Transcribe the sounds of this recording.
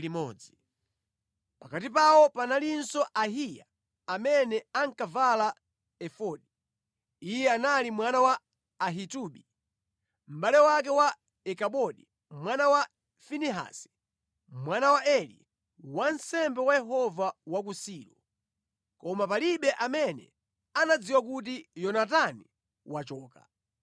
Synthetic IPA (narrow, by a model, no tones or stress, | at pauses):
imɔ̰ːd͡zi | pakatipawɔpanalinsɔʔaɦija̰ | amɛnɛaŋkavala | ɛfɔɗi | ijɛanalimwanawaː | ɦituɓi | m̩ɓalɛwak̬ɛwa | ɛkaɓɔɗi | mwanawa | finiɦa̰sɛ̥ | mwanawaʔɛlḭ | wansɛmbɛwajɛɦɔvawak̬usiːɾɔ | kɔmapaliɓɛʔamɛnɛ̰ | anad͡ziwak̬ut̬ijɔnatani | wat͡ʃɔːka̰